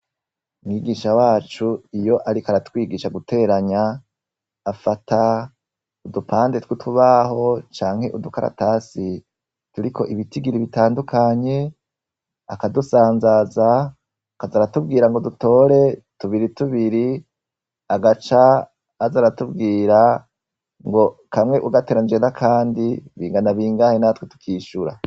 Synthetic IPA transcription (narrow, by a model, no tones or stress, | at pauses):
umŋiːɡiːʃawaːt͡ʃuijo̞ʔaɾikaɾatwiːɡiːʃaɡute̞ːɾaɲaː | fata | udupʰaːndetwituβaɦo̞t͡ʃaːŋhe̞ʔudukaɾa̰tasi | tuɾikʰo̞̰ʔiβitiɡiɾiβitaːndukʰaɲe̞ | akadusaːnzazaː | kazaɾatub̚ɡiːɾaŋɡo̞duto̞ːɾe̞tuβiɾituβiɾi | aɡat͡ʃaː | zaɾatubɡiːɾa | ŋɡo̞kamŋe̞ʔuɡateɾand͡ʒeːnzakʰaːndiβiːŋɡanaβiːŋɡahenatwetu̥kʰiːʃuɾa̰